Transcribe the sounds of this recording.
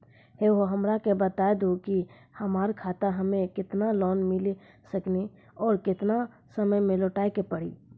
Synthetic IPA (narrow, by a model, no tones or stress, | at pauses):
ɦheɦoɦəmɾakebət̪ajd̪oki | həmaːɾkʰat̪aɦəmekɪt̪nalɔːnmɪli | səkni | ɔːɾkɪt̪na | səməjmẽlɔʈaːikepəɽḭ